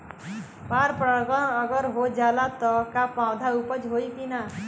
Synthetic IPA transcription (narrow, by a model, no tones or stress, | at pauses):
paɾpɾəɡɔəɡəɾɦod͡ʒalat̪ɔkapãwd̪ʱaupət͡ʃɦoikina